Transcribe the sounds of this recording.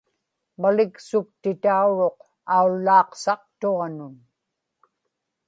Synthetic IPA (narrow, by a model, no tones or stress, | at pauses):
malɪksʊk̚t̪ɪt̪auɻo̞q | aulːɑːqsɑq̚t̪oʁɑnʊn